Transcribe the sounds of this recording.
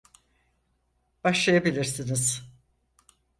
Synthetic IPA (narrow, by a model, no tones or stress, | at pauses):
b̥aʃlˠajabilʲiɾsiniz̥